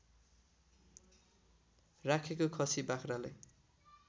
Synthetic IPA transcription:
rakʰekokʰʌsibakʰralaj

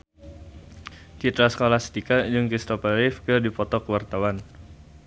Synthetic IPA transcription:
t͡ʃit̪ɾasə̥kolahsə̥t̪ikad͡ʒɨŋkɾist̪ɔpaɾɪfkɨrdipɔt̪ɔkəwart̪awan

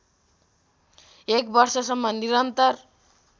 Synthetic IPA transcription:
ekbʌrsʌsʌmːʌniɾʌnt̪ʌr

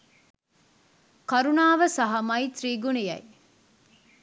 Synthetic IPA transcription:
kɐɾunaːʋɐsɐɦɐmɐit̪ɾiːɡunijɐ̰i

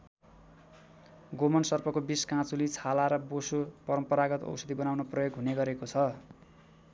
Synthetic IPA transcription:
ɡomʌnsʌrpʰʌkobiskãt͡sulit͡sʰalaɾʌbosopʌɾʌmpʌɾaɡʌt̪ʌ̰wsʌd̪ibʌnawnʌprʌjoɡɦuneɡʌɾekot͡sʰʌ

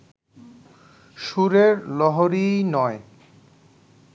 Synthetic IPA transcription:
ʃuɾeɾlɔɦoɾijnɔe

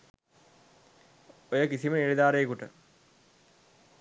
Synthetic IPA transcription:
ojəkisiməniɾid̪aːɾejekuʈə

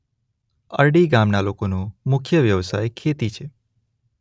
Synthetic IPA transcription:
ə̰ɾɖiɡamnalokonũmʊkʰjəʋjəʋsajkʰet̪it͡ʃʰe

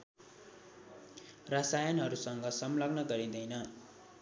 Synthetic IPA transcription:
rʌsajʌnɦʌɾusʌŋɡʌsʌmlʌɡnʌɡʌɾĩd̪ʌjnʌ

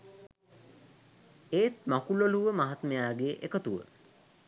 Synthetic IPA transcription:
eːt̪makuloluʋəmaɦat̪məjaːɡeːʔekət̪uʋə̰

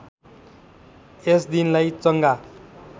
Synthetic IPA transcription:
esd̪inlajt͡sʌŋɡa

